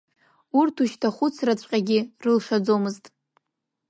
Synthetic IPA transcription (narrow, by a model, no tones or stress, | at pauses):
urtʰuʃtʰaχʷʊt͡sʰrat͡ɕʷʼqʲʼaɡʲɪrɨlʂad͡zomɨztʼ